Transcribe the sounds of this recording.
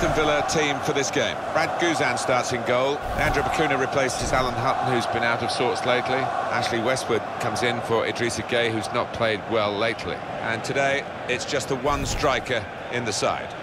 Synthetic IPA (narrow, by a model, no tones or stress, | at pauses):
ɨ̃nvɪlˠətʰĩɱfəðɪsɡ̥ẽɪ̃mɹæd̚ɡʉzæ̃nstɑɹtsɨ̃nɡoʊlˠðiæ̃ndɹəpəkʰʉ̃ñɨɹɨpʰl̥eɪsɨzælˠə̃nɦʌʔn̩hʉzbɨ̃ñaʊɾʌv̥sɔɹtsleɪtʰˡliʔæ̰k̚t͡ʃl̩ˠiwɛst̚wəd̚kʰʌ̃mzɪ̃nfə˞ʔɪ̰dɹisɨɡeɪɦʉznət̚pʰl̥eɪd̚wɛleɪtʰˡlḭ | ʔə̃ntʰɨdeɪ | ɪtsd̥ʒ̥ʌst̪̚ðəwʌ̃nstɹ̥aɪkə˞ | ɪ̃nðɨsa̰ɪd̥